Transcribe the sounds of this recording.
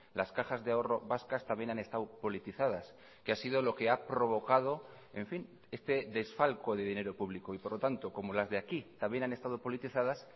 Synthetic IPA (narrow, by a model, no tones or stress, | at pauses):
laskaxazðeao̞ro̞βaskast̪amje̞nane̞st̪awpo̞lit̪iθaðas | keasiðo̞lo̞ke̞apɾo̞β̞o̞kað̞o̞ | e̞ɱfin | est̪e̞ðe̞sfalko̞ðe̞ð̞ine̞ɾopuβlikoipo̞ɾlo̞t̪ant̪o̞ko̞molazðe̞akit̪ambje̞nane̞st̪að̞o̞po̞lit̪iθað̞as